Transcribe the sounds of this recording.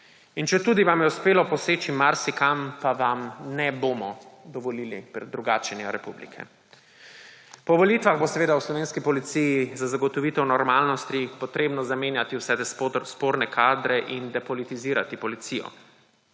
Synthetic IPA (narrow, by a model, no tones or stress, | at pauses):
int͡ʃɛt̪uːd̪iʋamjɛuspeːlɔpɔseːt͡ʃimaɾsikampaʋamnɛboːmɔd̪ɔʋɔliːlipɾɛd̪ːɾuɡaːt͡ʃɛnjɔɾɛpublḭkʰɛ̰ | pɔʋɔlit̪ʋaɣbosɛʋeːd̪awslɔʋeːnskipɔlit̪sijizazaɡɔt̪ɔʋit̪ɛwnɔɾmaːlnɔst̪ipɔt̪ɾeːbnɔzameːnjat̪iwsɛt̪ɛsspoɾnɛkʰaːd̪ɾɛʔind̪ɛpɔlit̪iziːɾat̪ipɔlit̪sijɔ̰